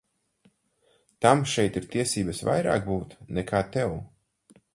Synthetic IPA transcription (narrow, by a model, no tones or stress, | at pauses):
t̪amʃɛjt̪iɾt̪iɛsiːbɐsva̰jɾa̰ːk̚buːt̪nɛkʰaːt̪ɛw